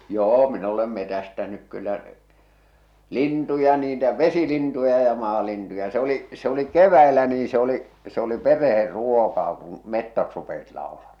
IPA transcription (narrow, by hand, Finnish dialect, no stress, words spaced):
joː min olem metæstænyk kylːæ lintujɑ niːtæ ʋesilintujɑ jɑ mɑːlintujɑ se o̝li se oli keʋˑæilæ niː se oli se oli pereher ruokɑː kũː metːot rupesit lɑolɑmɑhɑ̥